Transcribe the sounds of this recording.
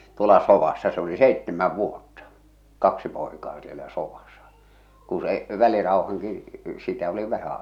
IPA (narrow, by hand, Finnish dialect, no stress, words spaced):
tuolɑ soʋɑsːɑ se oli seitːemæʋ ʋuotːɑ kɑksi poekɑː sielæ soʋɑsɑ̥ ku se ʋælirɑohɑŋki sitæ oli ʋæhæ